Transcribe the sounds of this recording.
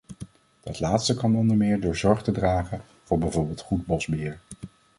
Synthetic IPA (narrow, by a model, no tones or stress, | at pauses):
d̥ɑtlaːtstəkɑnɔndəɹmɪːɹdʊːɹzɔɹχtədraːχən | v̥ʊːɹbɛjvoːɹbɪːlˠtχud̚bɔzbɪːɹ